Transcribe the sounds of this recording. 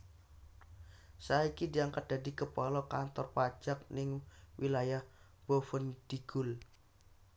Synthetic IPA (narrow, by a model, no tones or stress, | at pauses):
saaikidiaŋkat̪̚d̪̥adikəpalɔkant̪ɔrpḁd͡ʒ̥ak̚nɪŋwʔilajah | b̥ofənd̥iɡ̥ʊl